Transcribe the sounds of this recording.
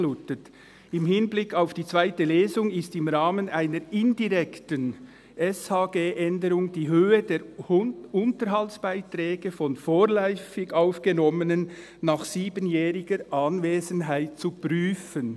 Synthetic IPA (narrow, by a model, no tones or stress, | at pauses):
uːtət | ɪmhɪnblɪkʰaʊfd̥iːt͡sv̥aɪtəleːzʊŋɪstɪmʁaːmənaɪnəɾɪndiʁɛktən | ʔɛshaːɡeːʔɛndəɾʊŋd̥iːɦøːədeːɾ | ʊntəɾɦaltsb̥aɪtɾɛːɡəfɔnfoːɾlɔʏfɪɡaʊfɡ̥ənɔmənənː | aːχsiːbənjɛːʁɪɡəɾʔaːnveːzənɦaɪt̚t͡supʁyːfən